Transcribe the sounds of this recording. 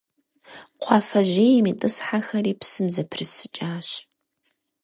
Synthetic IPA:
qʷʰɑːfɐʑeːjɛmiːtʼɨsħaxɐɾiːpsɨmzɐpʰrɨsɨt͡ʃʼaːɕ

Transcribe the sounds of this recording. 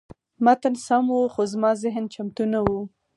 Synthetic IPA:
mat̪ansamwuxozmɑzɪɦnt͡ʃamt̪unawu

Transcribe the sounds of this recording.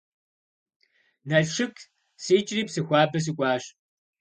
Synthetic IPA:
nɐɮʂɨkʰʼ | siːt͡ʃʼriːpsɨxʷaːbɐs̬ɨkʷʼɑːɕ

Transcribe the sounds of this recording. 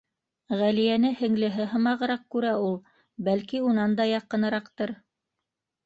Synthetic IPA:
ʁælijænɘhɘ̆ŋlɘ̆ɦɘɦɤ̆mɑʁɤ̆ɾɑq̚kʉɾæulˠ | bælkiunɑnd̪ɑjɑqɤ̆nɤ̆ɾɑqt̪ɤɾ

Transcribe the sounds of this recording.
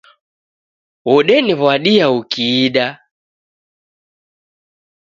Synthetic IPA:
wɔɗɛniβwaɗiaukiːɗa

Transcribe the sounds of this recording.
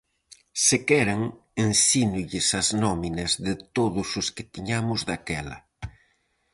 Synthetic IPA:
sekɛɾaŋ | ensinʊʎɪsɐznɔminɐzðɪt̪oðʊsʊskɪ̥t̪iɲamʊzðakɛlɐ̰

